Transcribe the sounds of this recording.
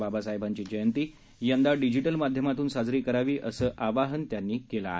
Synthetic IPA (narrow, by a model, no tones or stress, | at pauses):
babasaɦebʱaɲt͡ɕiːd͡ʑəjənt̪iː | jənd̪aɖid͡ʑiʈəlmad̪ʱjəmat̪uːnsad͡zɾiːkəɾaʋiːʔəsəːʔaʋaɦənt̪janːiːkela̰